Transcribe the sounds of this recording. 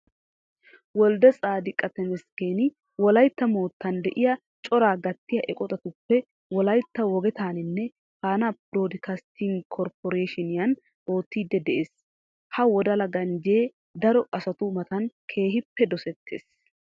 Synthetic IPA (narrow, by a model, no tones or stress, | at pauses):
wɔld̪ɛsʼaːd̪ɪkʼɐt̪ɛmɛskeːnɪ | wɔlɐjt̪ːɐmo̞ːt̪ːɐnd̪ɛʔɪjɐ | t͡ʃʼɔɾaːɡɐt̪ːɪjɐʔɛkʼɔt̪ʼɐt̪ʊpːɛ | wɔlɐjt̪ːɐwɔɡɛt̪aːnɪnːɛ | faːnɐpɾoːd̪ɪkast̪ʰiŋɡkʰɔɾpɔɾeːʃɪnɪjɐn | ʔo̞ːt̪ːiːd̪ːɛd̪ɛʔeːs | hɐwɔd̪ɐlɐɡɐnd͡ʒeː | d̪ɐɾɔʔɐsɐt̪ʊmɐt̪ɐnkʰe̞ːɦɪpːɛd̪ɔsɛt̪ʰːḛːs